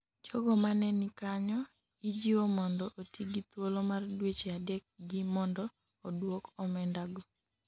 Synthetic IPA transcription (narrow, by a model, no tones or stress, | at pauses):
t͡ʃoɡɔmanɛnikaɲɔ | id͡ʒiwomɔndɔʔotiɡit̪wolomardwet͡ʃeadɛk̚ɡɪmɔndɔː | dwokɔmɛndaɡɔ